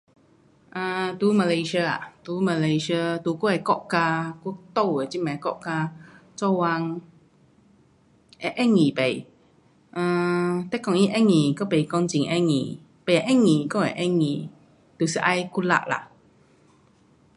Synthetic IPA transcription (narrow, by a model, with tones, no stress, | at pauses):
ʔə̃˧t̪u˧˦mə˨le˧ʃi˧ə˧a̰˨˩t̪u˧˦mə˧˨la˧ʃi˧ə˧t̪u˧ku˦a˨˩kɔ˦˧ʔka˧ku˧˦t̪o˥˧˨wə˨˩t͡ɕi˦mã˨˩kɔ̰˦˧ʔka˧t͡sɔ˥˧wa˧ŋ | ɛ˧˦ʔɛ˦˥ŋːĩ˨˩pe˨˩j | ʔə̃˧t̪ɛ˦˥˨kɔ˧ŋi˦˧ʔɛ˦˥ŋːĩ˨˩kɔ˦pe˨kɔ˧ŋt͡ɕi˧˨ŋʔɛ˧˥ŋḭ̃˨˩ | pe˨˩˨a˨ʔɛ˦˥ŋĩ˨˩kɔ˧˨a˨ʔɛ˦˥ŋĩ˨˩ | t̪u˨˩si˨ʔa˧jku˦la̰˧˨ʔla̰˧˨ʔ